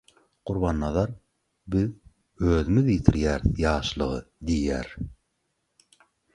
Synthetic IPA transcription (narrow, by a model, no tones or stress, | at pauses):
quɾβɑnːɑðɑɾ | bið | øːðymiðjit̪ʰiɾjæːɾθjɑːʃlˠɯʁɯd̪ijæːɾ